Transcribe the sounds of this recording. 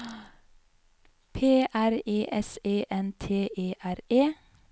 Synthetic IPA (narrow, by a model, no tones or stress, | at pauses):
pʰeːʔæɾeːʔɛseːʔɛnt̪ʰeːʔeːʔæɾeː